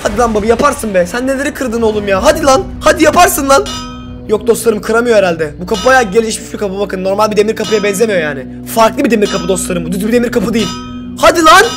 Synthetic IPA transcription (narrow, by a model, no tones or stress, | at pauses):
had̪ilˠanbabɯjapʰaɾsɯnbɛsænːe̞lʲe̞ɾikʰɯɾd̪ɯno̞lˠumjaːɦad̪ilˠan | had̪ijapʰaɾsɯnlˠan | jok̚d̪o̞st̪ˠaɾɯmkʰɯɾamɯjo̞eɾalʲd̪ɛbukʰapɯbajaɟe̞lʲiʃmiʃbikʰapɯbakʰɯnːo̞ɾmalʲbid̪e̞miɾkʰapɯjabɛnze̞mijo̞jaːnɪ | faɾklˠɯbid̪e̞miɾkʰapɯd̪o̞st̪lˠaɾɯmbud̪yzbid̪e̞miɾkʰapɯd̪ejilʲ | had̪ilˠan